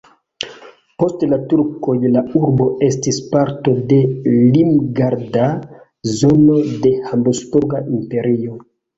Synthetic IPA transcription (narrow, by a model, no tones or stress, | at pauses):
po̞stlatuɾkojlauɾbo̞e̞stispaɾto̞de̞limɡaɾda | zo̞no̞de̞hambospuɾɡaʔimpe̞ɾio